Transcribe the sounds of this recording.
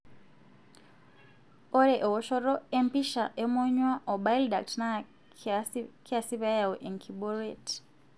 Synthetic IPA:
ɔ˦ɾɛ˨ʔɔ˨wɔʃɔ˦ɾɔ˦e˦mpi˦ʃa˨ʔe˦mɔ˦ɲwa˦ʔɔ˨ba˦jlda˨k̚tna | kʰi˦a˨si˦βa˦ja˨wɔ˨ʔe˨ŋkʰiɓɔ˦ɾet

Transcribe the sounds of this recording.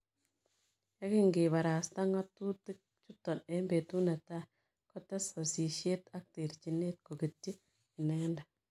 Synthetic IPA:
ja˦ki˦ŋɡi˨ba˨ɾa˨sta˦ŋa˦tːu˦ti˦k̚ | t͡ʃu˦tːɔ˨ne˦mbe˨tu˦na˨ta˦ | ko˦te˦so˨si˨ʃe˦ta˦k̚ti˨ɾt͡ʃi˨nːe˦t̚ko˨ɡi˨tːi˦ | i˨nɛ˦ŋ˦nda˨

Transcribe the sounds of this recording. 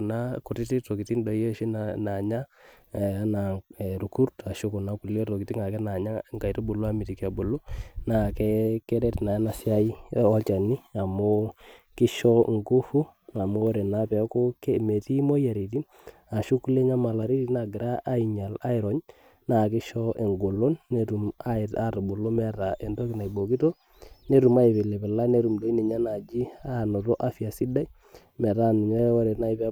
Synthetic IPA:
na˦kʊ˨ti˦ti˦to˨ki˨ti˦ndɔ˨je˦ʃi˦nna˨ɲa˦˨˦ | na˨ɛ˨ɾu˨ku˦ɾta˨ʃʊ˦ku˨na˦ku˨le˦to˨ki˨ti˦ŋa˨kɛ˦na˨ɲa˦ŋka˨i˨ti˦bʊ˨lo˦a˦mi˨ti˨ka˨bu˨lo˦na˨kɛ˦kɛ˦ɾɛ˦tna˨˦na˨sɪ˦a˦i˦ɔ˦t͡ʃa˨nɪ˦a˨mo˦kɪ˦ʃɔ˦ŋɡu˦fu˦a˨mu˦ɾɛ˨na˦pɛ˨˦ko˦ke˦me˨ti˦mo˦ja˨ɾi˨ti˦ | a˨ʃu˦ku˦le˦ɲa˦ma˨la˨ɾi˦ti˦na˨ɡɪ˨ɾa˦ʔa˦ɪ˨ɲa˨la˦ɪ˨ɾɔ˦ɲ | na˨kɪ˦ʃɔ˦ʔe˨ŋɡo˨lo˦nːe˦tu˨ma˦˨a˦˨ɾu˨bu˨lo˦mɛ˦ta˨ʔe˨nto˦kɪ˨na˨jbo˨ki˦to˦ | ne˦ɾu˨ma˦ɪ˨pe˨lɛ˨pɛ˨la˦ne˦ɾu˨mdo˦i˦ni˨ɲa˦na˨d͡ʒi˦a˦˨no˨ɾo˦ʔa˦fi˨a˨si˦da˦i˦ | mɛ˨ɾa˦˨nu˨ɲa˦o˦ɾe˨na˦i˦pɛ˦

